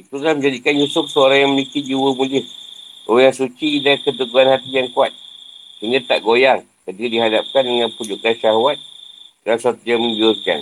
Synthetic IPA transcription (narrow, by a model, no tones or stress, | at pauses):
it̪ulaməɲd͡ʒadikanjusʊfsəoɾaŋjaŋməmikid͡ʒiwəmulɪhojaŋsut͡ʃidakət̪̬əɡuanhat̪ijaŋkuat̪̚kəŋɡat̪a̰ʔɡojaŋ | kət̪ikadiɦadap̚kandəŋanpud͡ʒuʔkanʃaɦwat̪̚ɡansat̪ujaŋməɲd͡ʒʊrka̰n